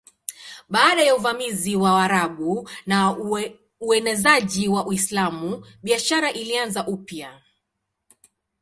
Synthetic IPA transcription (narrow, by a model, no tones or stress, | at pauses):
ɓaːɗajauvamiziwaaɾaɓuna | uɛnɛzaʄiwaʔwislamuɓiaʃaɾaʔilianzaʔupja